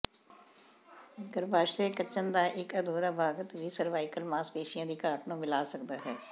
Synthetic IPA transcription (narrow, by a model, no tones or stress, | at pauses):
ɡəɾbaːʃtẽːkət͡ʃənd̪aːʔɪkəd̪ʱoːɾaːbʱaːɡət̪ʋiːsəɾʋaːɪkəlmãːspeːʃɪjãːd̪iːkaːʈnũːmɪlaːsəkd̪aːɦɛː